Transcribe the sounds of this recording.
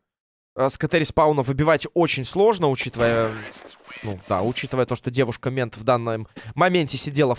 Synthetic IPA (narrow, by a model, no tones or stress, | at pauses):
əskət̪ɛɾʲɪspaunəvɨbʲɪvatʲo̞t͡ɕɪnʲslˠo̞ʐnəʊt͡ɕit̪əvəjə | nṵd̪a̰ʊt͡ɕit̪ɨvəjət̪o̞ʂt̪odʲe̞vʊʂkəmʲe̞nt̪vd̪anːɨmːɐmʲenʲtʲɪsʲɪdʲelˠə